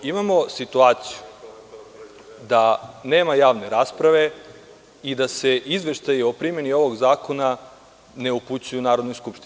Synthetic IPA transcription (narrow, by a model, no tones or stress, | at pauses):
imamo̞sit̪uaːt̪siju | d̪ane̞ːmajaːʋne̞ɾaːspɾaʋe̞ | id̪ase̞ʔizʋe̞ʃt̪ajiopɾimje̞nio̞ʋoɡzaːko̞na | ne̞uput͡ɕujunaːɾo̞d̪nojskupʃt̪in